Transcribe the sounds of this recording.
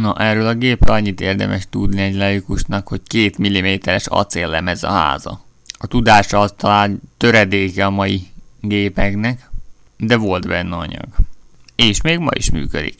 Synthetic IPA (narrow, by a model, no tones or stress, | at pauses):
nɒʔɛːrːøːlɒɡeːprølɒɲːit̪eːrd̪ɛ̰mʔɛʃt̪ud̪niɛɟlɒjikuʃnɒkho̞ckeːt̪milːimeːt̪ɛɾɛʃɒ̰t̪seːlːɛmɛzɒ̰ha̰ːzɒ̰ | ɒt̪ud̪aːʃɒɒst̪ɒlaːnt̪ø̞ɾɛd̪eːkɛɒmɒjiɡeːpɛknɛk | d̪ɛvo̞lt̪bɛnːɛɒ̰ɲɒ̰ɡeːʃmeːɡmɒ̰ḭʃmy̰ːkø̰d̪ḭk